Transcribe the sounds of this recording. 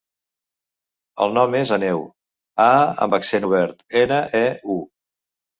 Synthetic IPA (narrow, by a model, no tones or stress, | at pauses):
ə̰lˠnɔmezənɛw | aə̰mbəksenuβ̞ɛɾt̪enəʔɛu